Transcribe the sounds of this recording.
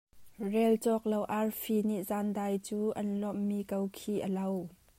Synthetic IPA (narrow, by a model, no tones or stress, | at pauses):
rɛlt͡sɔk̚lowʔarfiniʔzaːndaːjt͡suːʔɐnlɔmːiːkowkʰiːʔəlow